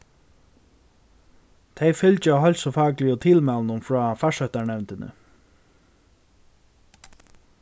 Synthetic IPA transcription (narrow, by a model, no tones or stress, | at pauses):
t̪ʰejfʏlt͡ʃɪawɦœlsɔfɑːklɪɔt̪ʰɪlmalnʊmfɾɔːfaʂœht̪aɳɛvnt̪ɪnə̰